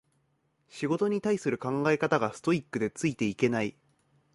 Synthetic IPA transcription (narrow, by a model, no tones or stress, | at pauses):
ɕiɡo̞t̪o̞ɲ̟it̪aisɨɾɯ̟kãŋɡaekat̪aɡasɨ̥t̪o̞ikːɯ̟d̪e̞t͡sɨit̪e̞ike̞nai